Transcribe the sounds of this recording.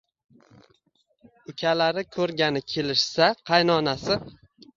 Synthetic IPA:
ʊkʲʰalaɾɪkʰɵɾɡʲanɪkʲʰe̞lɪʃsaqʰɑjnɒnasɪ

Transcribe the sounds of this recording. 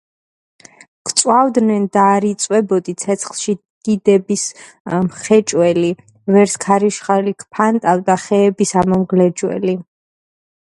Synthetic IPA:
kʰʼt̪sʼwavd̪nɛnd̪aːɾit̪sʼwɛbɔd̪it̪sʰɛt̪sʰχlˠʃi | d̪̥id̪ɛbis | mχɛt͡ʃʼwɛli | vɛɾskʰaɾiʃχalikʰpʰant̪ʼavd̪aχɛːbisamɔmɡlɛd͡ʒwɛ̰li

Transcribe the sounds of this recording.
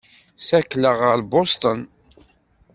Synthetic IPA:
sækːləʁəɾbost̪ən

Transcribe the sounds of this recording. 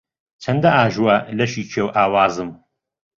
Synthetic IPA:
t͡sʰɐnd̪ɐaːʒuwɐlɐʃiːt͡ʃʰeːwʔaːwaːzɨm

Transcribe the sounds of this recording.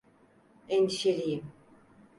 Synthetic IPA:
ɛniʃelijim

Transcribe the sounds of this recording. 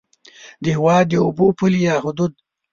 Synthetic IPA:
d̪əhɪwɑːd̪̚ːəubopulijɑːɦʊd̪ud̪̚

